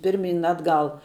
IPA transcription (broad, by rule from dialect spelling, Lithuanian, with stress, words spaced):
ˈpʲɪrʲˌmʲiːn ˈɑːdˌɡɐlˠ